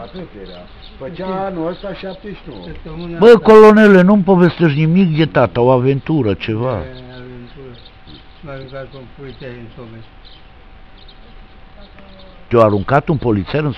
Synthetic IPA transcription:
pepeɾa | pət͡ʃanost̪aʃap̪iʃnot̪nbəkolonelenumpovest̪eʃ̬nimik̚d̪jet̪at̪awavent̪uɾat͡ʃevaavent̪uɾ | aɾuŋkak̪ompolit̪seent̪ome | t̪eoaɾuŋkat̪umpolit̪sɛɾɨn

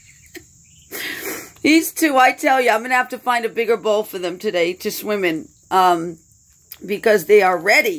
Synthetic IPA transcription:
hiz̥tʰʉaɪtʰɛlˠjɨãɪ̃mʌ̃nɨɦæftɨfãɪ̃ndɨbɪɡə˞boʊlˠfə˞ðɨ̃mtʰɨdeɪɾɨswɪ̃mɨ̃n | ʔʌ̃m | bɨkʌzðeɪə˞ɹɛɾi

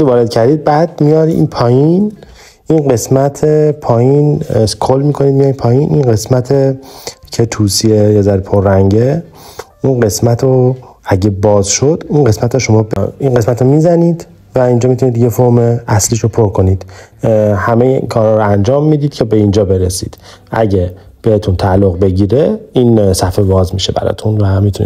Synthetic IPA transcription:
uvɒːɾed̪̥cʰæɾd̪iːd̪̚bæːd̪̚mijɒːɾiḭnpʰɒːjin | inɢe̞smæt̪ʰepʰɒːjinkʰolːmiːkʰo̞niːd̪mijɒɾinpʰɒːjinʔḭnɢe̞smæt̪ʰecʰe̞t̪ʰuːsiejɒːzæɾipʰoɾːæŋɟe | inɢe̞smæt̪ʰo | æɟebɒːzʃod̪̥inɢe̞smæt̪ʰɾoʃo̞mɒːbinɢe̞smæt̪omiːzæniːd̪ | væind͡ʒɒːmit̪ʰunid̪jefoɾmeæsliːʃopʰoɾkʰo̞niːd̪̥ | hæmejḛkʰɒːɾhɒːɾoænd͡ʒɒːmːiːd̪iːd̪cʰebe̞ind͡ʒɒːbe̞ɾesḭd̪̥ | ʔæ̰ɟe | b̥ehet̪ʰunt̪ʰælːoɣbe̞ɟiːɾeiːnsæfevɒːzmiʃe̞bæ̰ɾɒ̰ːt̪ʰunvæmit̪ʰunḭ

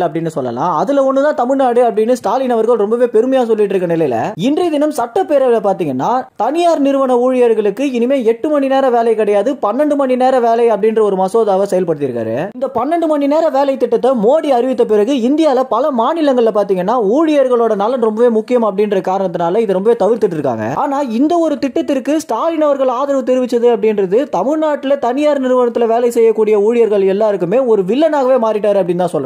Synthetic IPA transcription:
ɐp̬ːɐɽɪnːɯsɔlːɐ̰lã̰ːɐðɯlɐɔnːɯt̪ãːt̪ɐmɪɻnaːɽɯɐpːɐɽɪnːɯsʈaːlɪnɐʋɐɾɣɐɭɾɔmbɐʋeːpɛɾɯmɐjaːsɔlːɪʈːɾɯkːɐnɪlɐɪɪlɐ̰ɪndriðɪnɐmsɐʈːɐpːeːɾɐʋɪlɐpaːɾt̪iːŋɡɐnːaːt̪ɐnɪjaːɾnɪɾɯʋɐɳɐuːɻɪjɐɾɣɐɭɯkːɯɪnɯmeːɛʈːɯmɐɳːineːɾɐʋeːlɐɪkːɪɽɐjaːðɯpɐnːɐɳɖɯmɐɳːineːɾɐʋeːlɐɪɐpːɐɽɪndrɐɔɾɯmɐsoːðaːʋɐsɛjɐlpɐɽɯt̪ːɪɾɯkːa̰ːɾɯ̰ɪnd̪ɐpɐnːɐɳɖɯmɐɳːineːɾɐʋeːlɐɪt̪ːɪʈːɐt̪ːɐmoːɽiɐɾɪʋɪt̪ːɐpɪɾɐɣɯɪnd̪ɪjaːɪlɐpɐlɐmaːnɪlɐŋɡɐɭɪlɐpaːɾt̪iːŋɡɐnːaːuːɻɪjɐɾɣɐɭoːɽɐnɐlːɐnɾɔmbɐʋeːmʊkːɪjɐmaːɐpːɐɽɪnɾɐðɯkaːɾɐɳɐt̪ːɯnaːlɐɪðɯɾɔmbɐʋeːt̪ɐʋɪɾt̪ɪʈːɪɾɯkːa̰ːŋɡɐ̰ʔaːnaːɪnd̪ɐɔɾɯt̪ɪʈːɐt̪ːɪɾkːɯsʈaːlɪnɐʋɐɾɣɐɭaːðɐɾɐʋɐt̪ɛɾɯʋɪt͡ʃːɐðɯɐpːɐɽɪnɾɐðɯt̪ɐmɪɻnaːʈːɪlɐt̪ɐnɪjaːɾnɪɾɯʋɐnɐt̪ːɪlɐʋeːlɐɪsɛjːɐkːuːɽɪjɐuːɻɪjɐɾɣɐɭɛlːaːɪɾɯkːɯmeːɔɾɯʋɪlːɐnaːɣɐʋeːmaːɾɪʈːaːɾɯɐpːɐɽɪnːt̪ãːsɔlːɐ

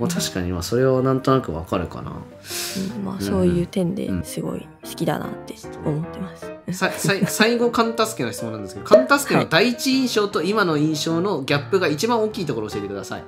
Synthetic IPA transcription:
mat̪ʰaɕi̥kaɲ̟ima̰so̞ɾe̞βanãnt̪o̞nakɯ̟βa̰kaɾɯ̟ka̰na̰ | ɯ̃ma̰ːso̞ːjɯ̟ːt̪ẽ̞nd̪e̞̰sɨɡo̞̰ḭ | sɨ̥kʲid̪a̰na̰t̪ːe̥omot̪ːe̞masɨ̥saisaisaiɡo̞kãnt̪asɨ̥kenaçi̥t͡sɨmonand̪esɨ̥k̪okʰãnt̪asɨ̥kẽad̪aiit͡ɕiĩɰ̃ɕo̞ːt̪o̞imano̞ĩɰ̃ɕo̞ːno̞ɡʲapːɯ̟ɡait͡ɕibãɰ̃o̞kʲiːt̪o̞ko̞ɾoːɕie̞t̪ekɯ̟d̪asa̰ḭ

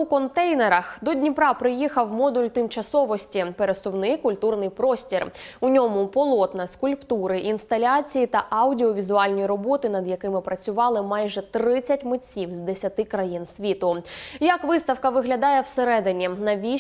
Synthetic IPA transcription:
ukɔnt̪ɛjneɾɐxd̪ɔdʲnʲipɾɑpɾɪjixɐwmɔd̪ulʲt̪ɪmt͡ʃɐsɔʋɔsʲtʲipeɾesʊwnɪkʊlʲt̪urnɪjpɾɔsʲtʲirʊnʲɔmʊpɔlˠɔt̪nɐskʊlʲpt̪uɾɪʔinst̪ɐlʲat͡sʲijit̪ɐʔɐwdʲiɔʋʲizʊɑlʲnʲijiɾɔbɔt̪ɪnɐd̪jɐkɪmɪpɾɐt͡sʲʊʋɑlˠɪmɑjʒɛt̪ɾɪt͡sʲːɐtʲmɪt͡sʲiwzd̪esʲɐt̪ɪkɾɐjinsʲʋʲit̪ʊjɐkʋɪst̪ɐwkɐʋɪɦlʲɐd̪ɑjɛwseɾɛd̪ɪnʲinɐʋʲi

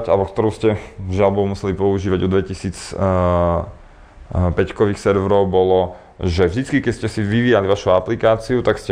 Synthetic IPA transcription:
alɛbɔkt̪ɔɾuʊscɛʒɪalbɔʊmusɛlipɔuʒiːʋaɟɔd̪ʋɛcisiːt͡s | pɛckɔʋiːxsɛɾʋɾɔʊbɔlɔ | ʒɛvʒd̪it͡skikɛscɛsiʋiʋiːjaliʋaʃuaplikaːt͡siut̪akscɛ

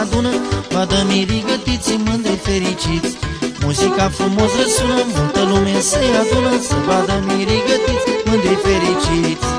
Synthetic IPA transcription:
ad̪unəvad̪əmĩɾiɡət̪it̪simɨnd̪ɾifeɾit͡ʃit̪t͡smuzikafɾumosəsunəmult̪əlumesejad̪unəsəvad̪əmiɾiɡət̪it̪mɨnd̪ɾifeɾit͡ʃit̪sʲ

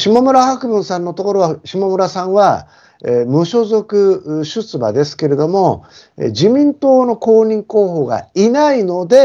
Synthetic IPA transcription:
ɕimomɯ̟ɾahakɯ̟bɯ̟̃ɰ̃sãnːo̞t̪o̞ko̞ɾo̞βaɕimomɯ̟ɾasãɰ̃βa | emɯ̟ɕo̞zo̞kɯ̟ɕɨt͡sɨba̰d̪e̞sɨ̥ke̞ɾe̞d̪o̞mo̞ | ḛd͡ʑimʲĩnt̪o̞ːno̞ko̞ːɲ̟ĩŋko̞ːɦo̞ːɡa̰inaino̞d̪e̞

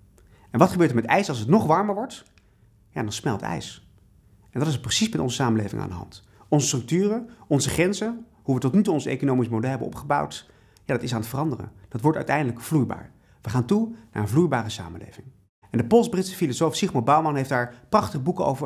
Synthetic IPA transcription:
ɛnʋɑtχəbøːɹtəɹmɛtɛjsɑlˠs̬ətnɔχʋɑɹməɹʋɔɹt | ja̰ːdɑnsmɛlˠtɛ̰js | ʔɛndɑtɪs̬prəsismɛtɔ̰nzəsaːməlejvɪ̰ŋʔa̰ːndəɦɑ̰nt | ɔnzəstrɵk̚tyːrəɔnzəχrɛnzə | ɦuʋətɔtnytuɔnsḛjkonowmismodɛlˠɦɛbənɔ̰pχəbɑ̰wt | jaːdɑtɪsaːnətfərɑndərə̰d̥ɑtʋɔɹtœ̰ɥtɛjndələkv̥lujba̰ːɹ | ʋəχaːntunaːɹənvlujbaːrəsa̰ːməlḛjvɪŋ | ɛndəpɔlˠsbrɪtsə̥filosowfsiχmobɑwmɑnɦejfdaːɹprɑχtəχəbukəo̰wvə

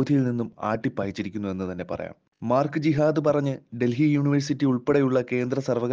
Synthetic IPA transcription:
d̪ʱijilninːuma̰ːʈːipːɐːjit͡ɕːiɾikʲːunːue̞nːɨt̪ɐnːe̞pɐ̰rɐ̰ja̰ːm | maːrkɨd͡ʑiɦaːd̪ɨpɐrɐɲːɨɖe̞lɦijuːɳiʋɐrsitːiuɭpeɽejuɭːɐke̞ːnd̪ɾɐsɐrʋɐɣ

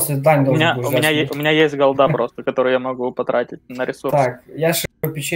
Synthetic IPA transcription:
sʲɪd̪anʲd̪omnʲaʊmʲɪnʲajeʊmʲɪnʲajesʲtʲɡɐlˠd̪apɾo̞st̪əkɐt̪o̞ɾʊjamɐɡupɐt̪ɾʔatʲɪt̚ʲnəɾʲɪsurt̪akjaʂʊpʲɪt͡ɕ

